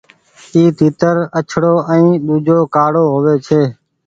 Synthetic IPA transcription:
iːt̪iːt̪əɾət͡ʃʰɽoːʔə̃ĩːɗ̪uːd͡ʒʱoːkaːɽoːɦoːʋeːt͡ʃʰeː

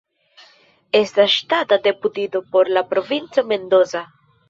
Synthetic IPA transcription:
e̞stasʃtatade̞putido̞po̞ɾlapɾo̞vint͡so̞me̞nd̪o̞za

